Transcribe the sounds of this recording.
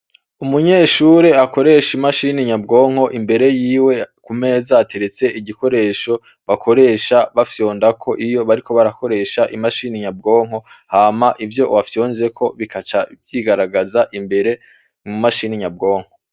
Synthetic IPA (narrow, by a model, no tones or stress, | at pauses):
umuɲe̞ːʃuɾeako̞ɾe̞ʃimaʃiːniɲabɡo̞ːŋ̥ho̞ʔimbe̞ɾe̞jiːwe̞kume̞ːzaːtʰe̞ɾe̞t͡se̞ʔiɟiko̞ɾe̞ːʃo̞ | βakʰo̞ɾe̞ːʃaβafjo̞ːndakʰo̞ʔijo̞βaɾiko̞βaɾako̞ɾe̞ʃaʔimaʃiːniɲab̚ɡo̞ːŋ̥ɦo̞ | haːmaʔivjo̞wafjo̞ːnze̞kʰo̞βikat͡ʃabjiɡaɾaɡazaʔimbe̞ɾe̞ | mumaʃiniɲabɡo̞ːŋ̥ho